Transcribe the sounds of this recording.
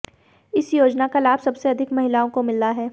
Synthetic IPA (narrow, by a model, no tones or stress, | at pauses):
ɪsjoːd͡ʒnakalaːbsɐbseɐd̪ʱɪkmɐɦɪlaːõkomɪlːaɦɛː